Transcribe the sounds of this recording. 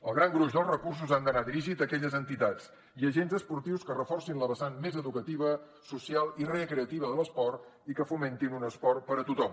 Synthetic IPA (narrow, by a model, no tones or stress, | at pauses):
əlˠɣɾaŋɡɾuʒdəlˠzrəkurs̬uzand̪ənad̪ɾiʒit̪əkɛʎəzənt̪it̪at͡s | iəʒenzəspuɾt̪iwskərəfɔrsinləβəsanmezəðukət̪iβ̞ə | susialˠireəkɾeət̪iβəðələspɔrt̪ikəfument̪inunəspɔrpəɾət̪ut̪ɔm